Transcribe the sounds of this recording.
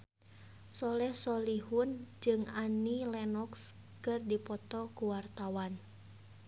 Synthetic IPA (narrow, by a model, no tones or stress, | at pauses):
sɔlɛhsɔlihund͡ʒɨŋanilɛnɔks | kɨrdipɔt̪ɔkuwart̪awan